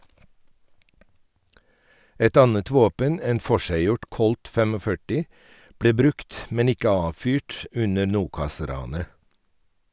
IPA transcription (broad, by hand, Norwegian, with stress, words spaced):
ˈɛt ˈɑnət ˈʋoːpən ˈeːn ˈfɔʃæɪˌjʊʈ ˈkɔlt ˈfeːmoːˌfœʈɪ ˈbɽeː ˈbɾʉkt ˈmɛn ˈɪkə ˈɑːʋˌfyːʈ ˈʉnə ˈɳuːkɑˌsɾɑːnə